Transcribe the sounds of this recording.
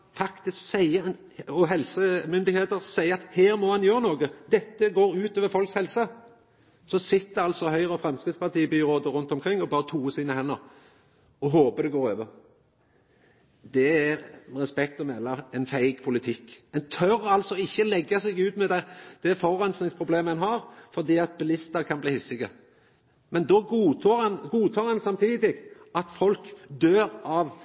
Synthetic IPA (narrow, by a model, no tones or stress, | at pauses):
fɑkt̪ɪsksæɪə | ɔɦɛlsəmʏnd̪ɪheːt̪əɾsæɪəɑt̪heːɾmɔhɑnjøːɾənoːɡəd̪ɛt̪ːəɡoːɾʉːt̪oːʋəɾfɔlkshɛlsə | sɔsɪt̪ːəɑlt̪sɔhœʏɾəɔfɾɛmskɪt̪spɑʁt̪ʰiːbyɾoːd̪əɾʉnt̪ɔmkʰɾɪŋːɔbɑːɾət̪ʰuːəsiːnəhɛnːɔ | ɔɦoːpəd̪ɛɡoːɾøːʋəʁ | d̪ɛæɾʁɛspɛkt̪ɔmɛlːəɛɪnfæɪɡpʰʊlɪt̪ʰɪkːɛnt̪ʰœɾɑlsɔɪçːəlɛɡːɑsɛɡʉːt̪mɛd̪æd̪̥ɛfɔɾɛnsnɪŋspʰɾʊbleːməɛnɦɑɾfɔʁd̪iːɑt̪̚bɪlɪst̪əɾkʰɑnbliːhɪsɪɡə | mɛnd̪ɔɡuːt̪ʰoːɾhɑnɡuːt̪ʰɑːɾɑnsɑmt̪ʰiːd̪ɪɡ | ɑt̪fɔlkd̪øːɾɑʋ